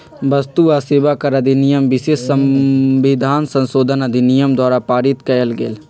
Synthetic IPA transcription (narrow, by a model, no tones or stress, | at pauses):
bɐst̪uaseːʋakɐɾɐd̪ʱinijəmʋɪʃeːsəʋɪd̪ʱaːnsə̃nsoːd̪ʱənɐd̪ʱinijəmd̪waːɾapaːɾɪt̪kɐjəlɡḛːl